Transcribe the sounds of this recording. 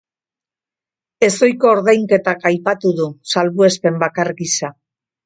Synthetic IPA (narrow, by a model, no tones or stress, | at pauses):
e̞so̞jko̞ːɾðajŋke̞t̪akajpat̪uðusalβue̞spe̞mbakaɾɣisa